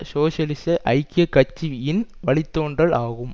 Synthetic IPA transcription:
soːʂɐlɪsɐʔɐɪkːɪjɐkːɐt͡ʃːiɪnʋɐɭɪt̪ːoːɳɖrɐɭaːɣɯm

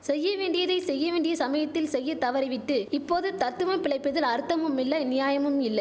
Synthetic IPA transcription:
sɛjːɐʋeːɳɖɪjɐðɐɪsɛjːɐʋeːɳɖɪjɐsɐmɐjɐt̪ːɪlsɛjːɐt̪ɐʋɐɾɪʋɪʈːɯɪpːoːðɯt̪ɐt̪ːɯʋɐmpɪɭɐɪpːɐðɪlɐɾɯt̪ːɐmɯmɪlːɐnɪjaːjɐmɯmɪlːɐɪ

